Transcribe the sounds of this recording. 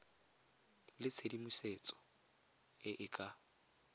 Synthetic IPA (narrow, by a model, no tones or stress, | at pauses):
lɪt͡sʰedimuset͡sʼɔ̥ | ɪʔɪkʼa